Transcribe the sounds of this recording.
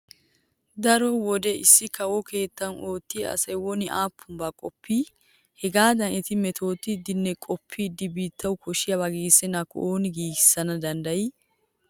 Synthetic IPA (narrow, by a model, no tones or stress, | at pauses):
d̪ɐɾɔwɔd̪ɛɪsːɪkɐwɔke̞ːt̪ːɐnʔoːt̪ːɪjɐ̰sɐjwɔnɪʔaːpʰːʊmbaːkʼɔpːiː | hɛɡaːd̪ɐnɪt̪ɪmɛt̪ʰo̞ːt̪ːɪːd̪ːɪnːɛkʼɔpʰːɪːd̪ːɪbiːt̪ʰːɐwkʰɔʃɪjɐβɐɡiːsːɛnakɔ̰ʔoːnɪɡiːɡɪ̥sːɐnɐd̪ɐnd̪ɐjɪ